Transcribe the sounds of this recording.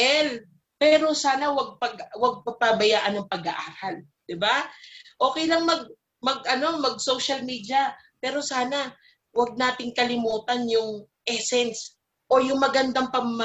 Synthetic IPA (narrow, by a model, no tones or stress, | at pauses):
ʔɛl | pɛːɾo̞saːnɐwɐɡ̚pɐɡwɐɡ̚pɐpabɐjaːʔɐnːɐŋpɐɡɐʔaːɾal | d̪̥ɪbaʔo̞ːkɛjlɐŋmɐɡ̚ | mɐɡʔɐno̞mɐɡ̚sowʃɐlmiːd̪ɪɐ | pɛːɾo̞saːna | wɐɡ̚naːt̪ɪŋkɐlɪmuːt̪ɐnjʊŋ | ʔɛsɛns | ʔo̞jʊŋmɐɡɐnd̪aŋpɐmmɐ